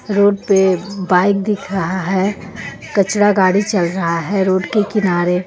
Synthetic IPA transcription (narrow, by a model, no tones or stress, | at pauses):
ɾoːɖ̚pebaːɪk̚d̪ɪkʰɾɐɦaɦɛː | kɐt͡ʃɽaɡaːɽit͡ʃɐlɾɐɦaɦɛɾoːɖkekɪnaːɾe